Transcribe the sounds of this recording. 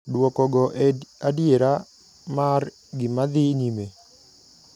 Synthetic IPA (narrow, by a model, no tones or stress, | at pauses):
dwɔkɔɡɔʔadjeɾa | mar | ɡɪmad̪ɪɲime